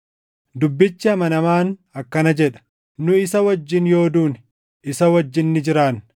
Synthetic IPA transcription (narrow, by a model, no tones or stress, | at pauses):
d̪ʊbːɪt͡ʃːɪɐmɐnɐmaːnɐkːɐnɐd͡ʒɛᶑɐ̥ | nʊɪsɐwɐd͡ʒːɪnjo̞ːd̪uːn | ʔɪsɐwɐd͡ʒːɪnːɪd͡ʒɪɾaːn